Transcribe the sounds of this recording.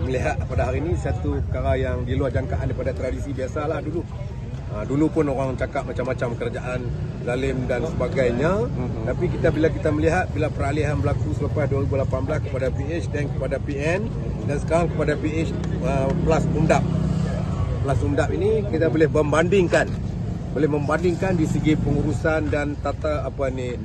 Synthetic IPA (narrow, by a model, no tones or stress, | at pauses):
məliɦat̪̚padaɦaɾinisat̪upəkaɾajaŋdiluahd͡ʒaŋkaʔandipadat̪ɾadisibiasalahdulu | ədulupʊnoɾaŋt͡ʃakap̚mat͡ʃamːat͡ʃamkəɾad͡ʒaʔan | zalɪmdansəbaɡajɲat̪apik̬it̪abilak̬it̪aməliɦat̪̚bilapəɾaliɦanbəlakusələpajduaɾibulapanbəlaskə̥padapiɪt͡ʃdankəpadapiɛn | dansə̥kaɾaŋkəpadapiet͡ʃ | əpəlasumdap̚ | pəlasumdap̚inikit̪abolɪhbəmbandɪŋkan | bolɪhməmbandɪŋkandisəɡipəŋuɾusandant̪at̪aːpani